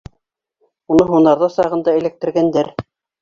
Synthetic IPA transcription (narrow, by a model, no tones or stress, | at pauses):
unɤɦunɑɾðɑsɑʁɤ̆nd̪ɑɘ̆læ̆k̚t̪ɘ̆ɾɡænd̪æɾ